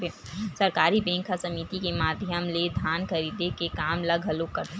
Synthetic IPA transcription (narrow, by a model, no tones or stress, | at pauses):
esəɾkaːɾibẽːŋkʰasəmit̪ikemaːd̪ʱjəmled̪ʱjaːnkʰəɾid̪ekekaːmləɡʱɦəlokːəɾt̪